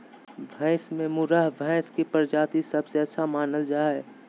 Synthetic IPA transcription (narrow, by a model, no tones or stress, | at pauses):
bʱɛ̃ɪsmẽmʊɾaɦbʱɛ̃ɪskipəɾd͡ʒaːt̪isəbseɐtːʃʰamaːnəld͡ʒaːɛ